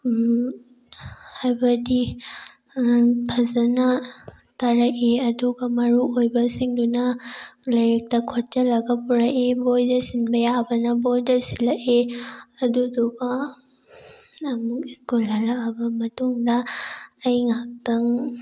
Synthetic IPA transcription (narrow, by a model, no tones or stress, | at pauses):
hajbɐdi | pʰɐzɐnɐ | taɾɐkeɐduɡɐmɐɾuojbɐsiŋdunɐlɐjɾik̚tɐkʰɔtt͡ʃɐlɐɡɐpuɾɐʔebojdɐsinbɐjabɐnɐbojdɐsilɐʔeɐduduɡɐ | mukiskulɐlaɐbɐmɐtuŋdɐː | jŋak̚tɐŋ